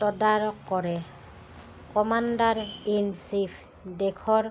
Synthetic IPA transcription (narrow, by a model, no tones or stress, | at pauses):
tɔdaɹɔkːɔɹɛ | kɔmandaɹinsipʰ | dɛkʰɔɹ